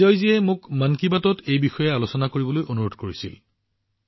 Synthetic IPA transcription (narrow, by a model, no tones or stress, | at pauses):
ɔjziɛmʊkmankibatɔtʰejbixɔjɛalosɔnakoɹibɔlojʔonuɹodʱkoɹisil